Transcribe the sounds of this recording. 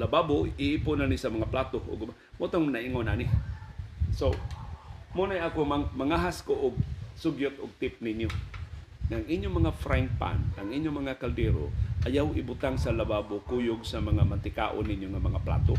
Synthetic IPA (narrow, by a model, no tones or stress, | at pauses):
lababoɪʔipʊnanɪsamɐŋaplaːt̪oʔʊ̰ɡma | mut̪oŋnaʔiŋonanɪ | so | munajakomamɐŋaɦaskoʔʊɡ̚sʊɡjʊt̪ʊ̰ɡ̚t̪ɪp̚ninjo | ŋaaŋʔiɲjomɐŋafɾan̚pa̰nʔaŋiɲjomɐŋakald̪ɛɾo̰ʔajawɪbʊt̪aŋsalababokujʊɡsamɐŋamant̪ɪkaʔo̰nːɪɲjoŋamɐŋapla̰t̪o